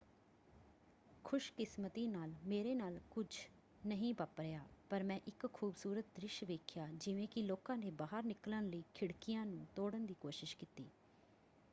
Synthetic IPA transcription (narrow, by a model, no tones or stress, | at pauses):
kʰʊʃkɪsmət̪iːnaːlmeːɾeːnaːlkʊd͡ʒ | nəɦĩːpəpɾejaːpəɾmɛ̃ːʔɪkkʰuːbsuːɾət̪̚d̪ɾɪʃʋeːkʰjaːd͡ʒɪʋẽːkɪloːkãːneːbaːɦəɾnɪklənləiːkʰɪɽkɪjãːnũːt̪oːɽənd̪iːkoːʃɪʃkɪt̪iː